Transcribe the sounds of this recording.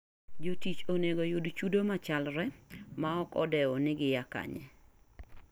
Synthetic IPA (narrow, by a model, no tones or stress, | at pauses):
d͡ʒotit͡ʃoneɡojudt͡ʃudomat͡ʃalɾɛmaɔkɔ̰dɛɔnɪɡɪjaka̰ɲɛ̰